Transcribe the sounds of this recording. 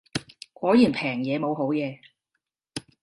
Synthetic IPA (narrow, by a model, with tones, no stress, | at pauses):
kʷɔː˨˥jiː˨˩npʰɛː˨˩ŋjɛː˨˧mo˨˧wɦo˨˥wjɛː˨˧